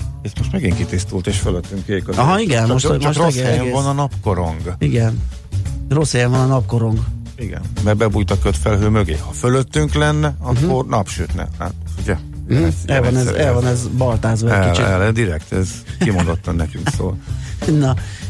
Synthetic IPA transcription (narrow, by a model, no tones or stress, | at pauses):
ɛt̪moʃt̪mɛɡiŋkit̪ist̪ult̪eːʃføløt̪ːyŋkeːkoɒɦɒiɡɛnmoʃt̪ooɡɛɛvɒnɒnɒpko̞ɾo̞ŋɡiɡɛn | ro̞shɛjɛɱvɒnɒnɒp̚ko̞ɾo̞ŋɡ | iɡɛ̰nbɛbɛbujt̪ɒkøt̪fɛlɦøːmøɡḛːhɒføløt̪ːyŋklɛnːɛɒkːo̞rnɒpʃøːt̪nɛ̰a̰uɟɛ | ɛɛlvɒnɛzɛlvɒnɛzbɒlt̪aːzbɒɛɛkilt͡ʃiɛlɛd̪iɾɛkt̪ɛzimond̪ot̪ːɒnnɛkyŋkso̰ːlnɒ